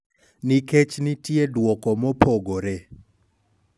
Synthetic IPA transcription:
niket͡ʃnitjedwɔkɔmɔpʰoɡoɾe

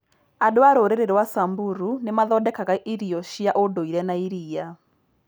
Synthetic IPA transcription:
adoaɾoɾeɾeɾewasambuɾunemaðɔdɛkaɣaʔiɾiɔʃiaʔodoiɾɛnaiɾiːa

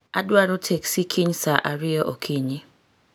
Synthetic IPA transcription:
adwaɾotʰeksikʰiɲsaʔa̰ɾɪɔʔokʰiɲi

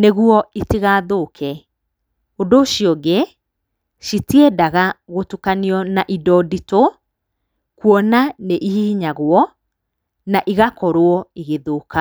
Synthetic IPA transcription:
neɣuɔitiɣaːðoːkʰɛ | ondoːʃiɔɡe | ʃitiedaɣaɣotukaniɔnaʔidɔdito | kwɔnaneʔihiːɲaɣwɔ | naʔiɣakɔɾoɔiɣeðoːka

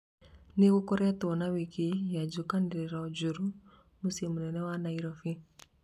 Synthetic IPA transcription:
neɣokɔɾɛatɔɔnawikijad͡ʒokandiɾeɾaɔd͡ʒuɾu | musiemunɛnɛwanaiɾɔfi

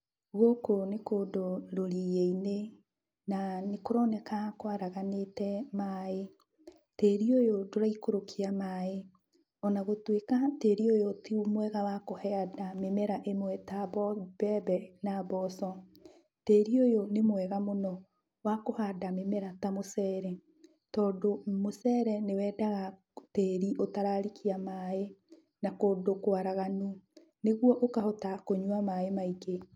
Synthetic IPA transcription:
ɣokonekoːdoɾoɾijeine | nanekoɾɔnɛkakwaɾaɣaneːtɛmaːe | teːɾiojodoɾaikoɾokʰiamaːe | ɔnaɣotwekateːɾiojotiumwɛɣawakohɛadamemɛɾaʔemwɛtabɔb̥ɛbɛnabɔsɔ | teːɾiojonemwɛɣamonɔ | wakohaːdamemɛɾatamosɛɾɛ | tɔːndomosɛːɾɛnewɛːdaɣa | teːɾiʔotaɾaɾikʰiamae | nakoːdokoaɾaɣanu | neɣwɔʔokahotakoɲuamaemaiɡe

